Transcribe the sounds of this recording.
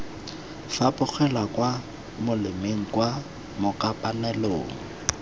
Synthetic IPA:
fapʼʊk͡xʰɛlwakwa | mʊlɪmeŋ̩kwa | mʊkapʼanɛloːŋ̩

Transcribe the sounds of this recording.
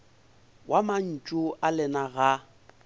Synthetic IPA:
wʔaman̩t͡ʃʼʊʔalɪnaɣa

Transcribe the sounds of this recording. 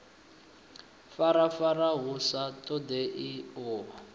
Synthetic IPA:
faɾafaraɦusatʼɔdeʔiɔːɦa

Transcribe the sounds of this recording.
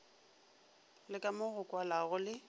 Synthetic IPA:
lɪkʼamʊɣʊkʼwalaɣʊlɪ

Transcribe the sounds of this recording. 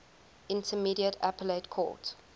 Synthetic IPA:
ɪ̃ntʰəmiɾiətæ̰pəletkʰɔ̰ːˑt

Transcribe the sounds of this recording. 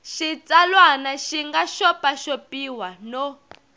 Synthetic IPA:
ʃit͡salwanaʃiŋɡaʃɔpaʃopiwano

